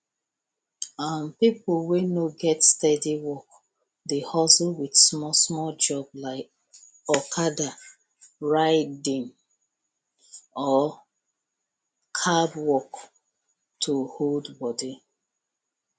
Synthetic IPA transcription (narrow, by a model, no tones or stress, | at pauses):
ãnpipuwenoɡɛtstɛdiwɔk | dehɔswidsmɔsmɔd͡ʒɔblaɪk̚ | ɔkʰada | ɹaɪdĩn | ɔ | kʰadwɔk | tʰuholdbɔdi